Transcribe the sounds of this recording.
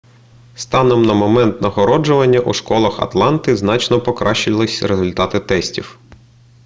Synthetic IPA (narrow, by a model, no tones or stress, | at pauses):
st̪ɑnɔmnɐmɔmɛnt̪nɐɦɔɾɔd͡ʒʊʋɐnʲːɐʔuʃkɔlˠɐxɐ̰t̪lˠɑnt̪ɪznɑt͡ʃnɔpɔkɾʔɑʃɪlˠɪsʲɾezʊlʲt̪ɑt̪ɪt̪ɛsʲtʲiw